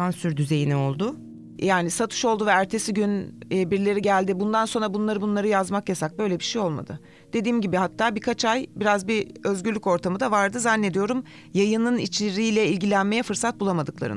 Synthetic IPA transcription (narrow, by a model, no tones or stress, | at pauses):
ansyɾd̪yze̞jinio̞lˠd̪ʊ | jaːnisat̪ʰɯ̥ʃo̞lˠd̪uvɛæɾt̪ʰe̞siɟynːbiɾlʲe̞ɾiɟælʲd̪ibund̪anso̞nɾabunlˠaɾɯbunlˠaɾɯjazmakjasak̚bø̞jlʲebiʃejo̞lˠma̰d̪ɯ | d̪̥e̞d̪iːmɟibihat̪ʰːaːbikʰat͡ʃʰajbiɾazbiø̞zɟylʲːyco̞ɾt̪ʰamɯd̪avaɾd̪ɯzanːe̞d̪ijo̞ɾum | jajɯnɯnit͡ʃeɾijlʲɛilʲɟilʲænme̞jɛfɯɾsat̪̚bulˠamad̪ɯklˠa̰ɾɯ̰